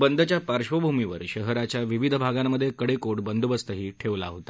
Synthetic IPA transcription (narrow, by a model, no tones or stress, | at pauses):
bənd̪ət͡ɕjapaɾɕʋəbʱumiʋəɾɕəɦəɾat͡ɕjaʋiʋid̪ʱəbʱaɡamːəd̪ʱːjekəɽekoɽbənd̪ubəst̪əɦiːʈʰeʋla̰ɦot̪a